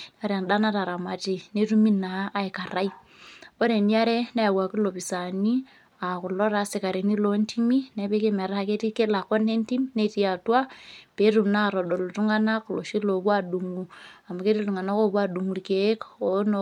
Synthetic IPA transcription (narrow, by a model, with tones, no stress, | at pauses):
n˦a˦ɾa˨nda˦na˦ta˨ɾa˨ma˨ti˨ne˦tu˦mi˦na˨˦ʔːi˨ka˨ɾa˦i˦ | o˦ɾe˨ni˦a˦ɾe˦na˦ja˨wa˨ki˦lo˨pi˨sa˨ni˦ | a˨ku˨lɔ˦ɾa˦se˨ka˨ɾe˨ni˦lo˦nti˦mi˦ne˦pe˦ke˦me˨ɾa˦˨ke˦ti˦ke˦la˨ko˦ne˦nti˦mi˦ne˦ti˦a˨twa˦pe˨˦ɾu˨mna˦˨ɾo˨do˨lo˨tu˦ŋa˦na˦klo̰˨ʃi˦lo˨βwa˦du˨ŋu˨a˨ma˨ke˦ti˦tu˨ŋa˨na˦ko˦βwa˦du˨ŋu˨lke˨˦ko˨˦n˦